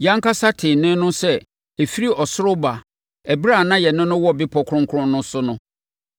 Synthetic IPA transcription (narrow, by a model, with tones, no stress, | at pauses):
jã˦ŋkʰa˦sa˦tʰɪ̃˨nɪ̃˦nʊ̃˦sɛ˦ | e˨fi˦ɾi˦ʔɔ˨sʊ˦ɾʊ˦ba˨ | ɛ˨bɾa˦˨nã˦jɛ˨nʊ̃˦nʊ̃˦wɔ˦bɪ˦pʰɔ˨kʰɾʊ̃˦ŋkʰʊ˦ɾʊ̃˦nnʊ̃˦sʊ˦nʊ̃˦